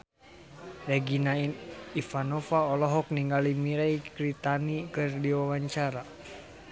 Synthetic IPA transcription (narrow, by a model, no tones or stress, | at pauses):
rɛɡinainifanɔfaɔlɔɦɔk̚niŋɡalimiɾaikɾit̪anikɨrdiwawaɲt͡ʃaɾa